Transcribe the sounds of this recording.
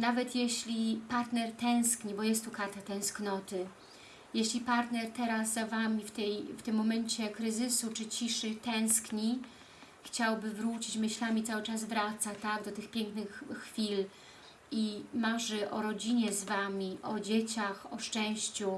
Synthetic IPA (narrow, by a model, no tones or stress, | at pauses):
navɛt̪jeɕlʲipaɾt̪nɛɾt̪ɛ̃w̃skɲibɔjɛst̪ːukaɾt̪at̪ɛ̃w̃sknɔt̪ɘ | jeɕlʲipaɾt̪nɛɾt̪ɛɾaszavamʲift̪ɛjft̪ɘmːɔmɛɲt͡ɕɛkɾɘzɘsut͡ʂɘt͡ɕiʂɘt̪ɛ̃w̃skɲi | xt͡ɕawbɘvɾut͡ɕit͡ɕmɘɕlamʲit̪sawɘt͡ʂazvɾat̪sat̪aɡd̪ɔt̪ɘxpʲjɛŋknɘxːfʲil | imaʐɛʔɔɾɔd͡ʑiɲɛzvamʲiʔɔd͡ʑet͡ɕaxɔʂt͡ʂɛ̃w̃ɕt͡ɕu